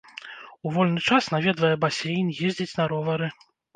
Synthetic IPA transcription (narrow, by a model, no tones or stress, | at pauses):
uvɔlʲnɨt͡ʂasnavʲɛd̪vɐjɛbasʲejnjɛzʲd͡zʲit͡sʲnɐɾɔvɐɾɨ